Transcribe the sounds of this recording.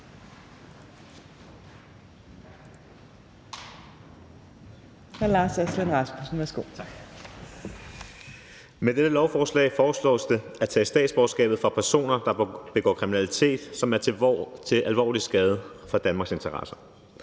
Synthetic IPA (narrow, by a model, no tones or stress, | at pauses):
hælɑːseslenʁɑsb̥usn̩ʋæɐsɡ̥o̝̰ːɡ̥ | med̥ed̥əlɒʊfɒːslɛ̰ɪfɒːslɔ̰̽ːsd̥e̝æt͡sʰɛ̰sd̥ɛ̰ːd̥sb̥ɒ̥sɡ̥ɛ̰ːb̥ð̩ˠfʁɑ̈pʰæɐso̝̰ːnɐd̥ɑ̈b̥e̝ɡ̥ɒ̰ːkʰʁiminælit͡sʰe̝̰ːd̥sɒ̽mæɐt͡sʰe̝ʔælʋɒ̰ːlisɡ̥ɛːð̞ˠəfɒ̽d̥ænmɑ̈ɡse̝nt͡sʰɐʁɑ̈sɐ̥